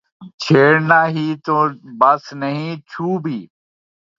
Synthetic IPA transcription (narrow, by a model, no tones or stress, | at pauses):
t͡ʃʰeːɽnaːɦiːt̪oːbəsnəɦĩːt͡ʃʰuːbʱiː